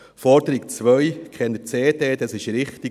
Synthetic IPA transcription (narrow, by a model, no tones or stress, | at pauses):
fɔɾd̥əɾiɡ̚t͡sʋœjkʰɛnət͡seːdeːdɑsɪʃɾɪχti